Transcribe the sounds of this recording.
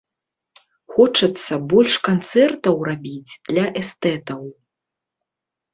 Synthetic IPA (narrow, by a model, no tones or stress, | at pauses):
xɔt͡ʂɐt̪sːɐbɔlʲʂkant̪sɛrt̪ɐwrabʲid͡zʲd̪̥lʲɐʔɛst̪ɛt̪ɐw